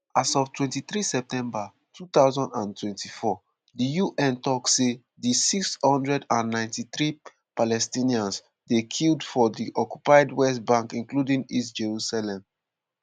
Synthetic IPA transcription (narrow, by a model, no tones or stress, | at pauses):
asɔftwɛ̃ntiθɹisɛp̚tɛ̃mba | tʰut̪aʊzɔ̃ndãntʰwɛ̃ntifɔ | dijuʔɛ̃ntɔkse | disikshɔ̃ndɹɛdãnːãɪ̃ntiθɹi | palɛstĩniãns | dekʰildfɔdiʔɔkjupaɪdwɛstbãŋkĩnkludĩŋistd͡ʒeɹusalɛ̃m